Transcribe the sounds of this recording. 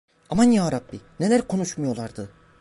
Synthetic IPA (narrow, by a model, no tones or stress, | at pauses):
amanjaːɾabːine̞lʲæɾkʰo̞nuʃmujo̞lˠaɾd̪ɯ